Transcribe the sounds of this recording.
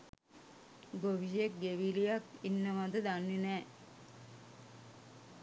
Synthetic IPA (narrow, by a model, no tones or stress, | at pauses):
ɡoʋid͡ʒek̚ɡeʋilijakinːəmad̪əd̪anːinɛː